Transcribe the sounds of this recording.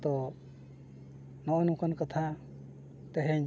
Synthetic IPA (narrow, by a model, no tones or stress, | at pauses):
t̪ɔ | nɔʔɔnũkɔnkat̪ʰa | t̪ɛɦɛɲ